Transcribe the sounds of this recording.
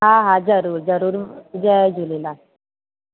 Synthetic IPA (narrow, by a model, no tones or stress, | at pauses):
ɦãɦãd͡zəɾuːɾd͡zəɾuːɾd͡zɛd͡ʑulela